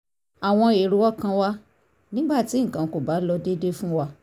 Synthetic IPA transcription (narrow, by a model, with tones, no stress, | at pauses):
a˨w̃ɔ̃˧e˨ɾu˨˦ɔ˦kã˧wa˦ | nĩ˦ɡ͡ba˦˨ti˨˦ŋ̩̃˨kã˨ko˨ba˨˦lɔ˧de˦de˦fũ˦wa˧